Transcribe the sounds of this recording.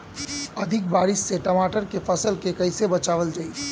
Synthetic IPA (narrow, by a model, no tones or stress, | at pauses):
ɐd̪ʱɪk̚baːɾɪʃːeʈəmaːʈəɾkefʰəsəlkekɐɪsebɐt͡ʃaːʋəld͡ʒaːi